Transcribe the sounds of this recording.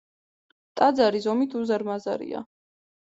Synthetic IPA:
t̪ʼad̪zaɾizɔmit̪ʰuzaɾmaza̰ɾḭa̰

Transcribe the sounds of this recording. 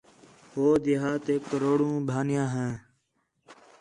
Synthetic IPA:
hoːd̪iɦaːt̪eːkəɾoːɽũːbʱaːnɪjãːɦɛ̃ː

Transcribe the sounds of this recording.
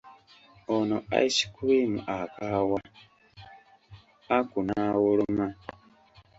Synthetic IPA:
onoa̰isi̥kuβimṵʔakaːwa | akunawuluma

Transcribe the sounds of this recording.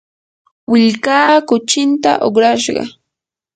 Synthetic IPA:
wɪʎkaːkʊt͡ʃɪnt̪a̰ʔoχɾaʃɢɑ̰

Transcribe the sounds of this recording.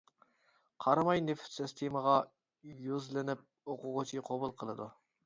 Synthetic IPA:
qʰɑɾmɑjnɪft̪sɪst̪ʰeməʁɑ | jøzlɪnɪp̚ | oqʊʁʊt͡ʃʰiqʰobʊlˠqʰəlˠɨd̪u

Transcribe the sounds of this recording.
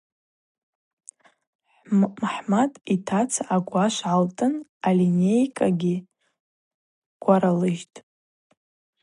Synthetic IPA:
ħmħmatʼitʰat͡sʰaaɡʷaʃʷʕaltʼɨnalinʲejkʼaɡʲi | ɡ̥ʷaɾalɨʒtʼ

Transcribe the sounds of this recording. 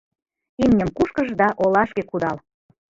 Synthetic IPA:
imnʲəmkuʃkəʒd̪ɑʔolɑʃkekud̪ɑl

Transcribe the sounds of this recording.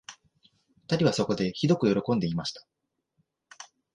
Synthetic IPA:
ɸɯ̥t̪aɾʲiβaso̞ko̞d̪e̞çid̪o̞kɯ̟jo̞ɾo̞kõ̞nd̪e̞imaɕi̥t̪ḁ

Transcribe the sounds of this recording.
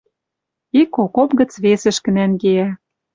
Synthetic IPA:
ikokopɣə̆t͡sβesɘ̆ʃkɘ̆nænɡeæ

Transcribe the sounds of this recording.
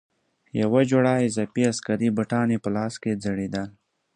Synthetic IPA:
jɐwad͡ʒoɽaːizɐpiaskɐɾibəʈɑːnipəlɑːsked͡zɐɽid̪al

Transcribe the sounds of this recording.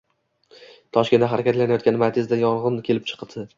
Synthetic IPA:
t̪ʰɒʃkʲe̞nd̪aɦaɾakʲʰat̪lanajɒt̪̚ʲanɪmaɾt̪ʰʲezd̪ajɒlˠʁɨnkʲʰe̞lɪpt͡ʃʰɨ̥qʰd̪ɪ

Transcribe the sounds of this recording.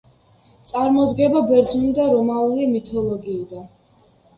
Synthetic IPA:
t̪sʼaɾmɔd̪ɡɛbabɛɾd̪zunid̪aɾɔmaulimit̪ʰɔlˠɔɡiːd̪an

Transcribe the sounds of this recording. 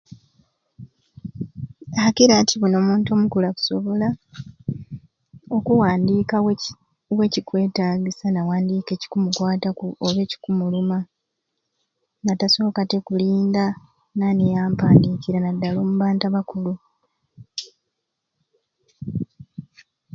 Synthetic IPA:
akiɾatʰiβuno̞ːmuːnto̞ːmukulaku̥soβo̞la | o̞kuwaːndiːka | we̞cikwe̞ːtaːɡisanawaːndiːke̞ːci̥kumukwaːtakuoβe̞ːci̥kumuluma | nataso̞ːkate̞kuliːnda | nanejaːmpaːndiːkiɾanadːaloːmuβaːntaβakulu

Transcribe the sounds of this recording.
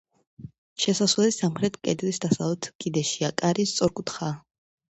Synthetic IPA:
ʃɛsasvlɛlisamχɾɛt̪ʰkʼɛd̪lisd̪asalˠɛt̪ʰkʼid̪ɛʃiakʼaɾist̪sʼɔɾkʼut̪ʰχaː

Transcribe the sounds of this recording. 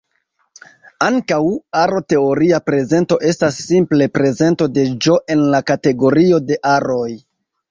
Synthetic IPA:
aŋkawaɾo̞te̞o̞ɾiapɾe̞ze̞nto̞ʔe̞stasːimple̞pɾe̞ze̞nto̞de̞d͡ʒo̞ʔe̞nlakate̞ɡo̞ɾio̞de̞ʔaɾo̞j

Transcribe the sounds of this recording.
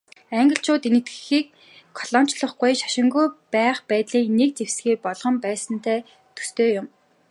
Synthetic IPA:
æŋɡə̆ɬt͡ɕʰʊːt̪enɘ̆t̪ɡɘ̥̆xiːk̚ʰː | ɔɮ̥ɔn̥t͡ɕɮə̆χɡujʃḁʃɪ̆ŋɡujpæːχpæːt̪ɮiːknek̚t͡sewsɡeːpɔɮʁɞ̆mpæːsə̆nt̪ʰæː | t̪ʰu̥st̪eːjʊm

